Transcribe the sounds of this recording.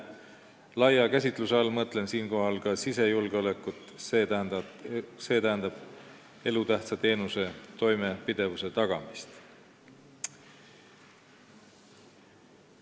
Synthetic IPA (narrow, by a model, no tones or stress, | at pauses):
lɑjɑkæs̬ʲit̪ˑluseɑlmɤt̪ːˑle̞nsiːnko̞ɦɑlkɑsise̞julɡ̥eo̞le̞kˑːut̪ːˑsese̞ːt̪æɦend̪ɑb̥ | e̞lut̪æht̪sɑt̪e̞ːnuse̞t̪o̞jme̞pid̪̥e̞vuse̞t̪ɑɡ̥ɑmist̪